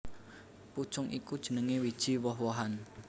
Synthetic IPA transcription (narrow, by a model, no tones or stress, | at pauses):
pu̥t͡ʃʊŋʔikud̥ʒ̥ə̤nəŋewid̥ʒ̥iwɔɦwɔɦan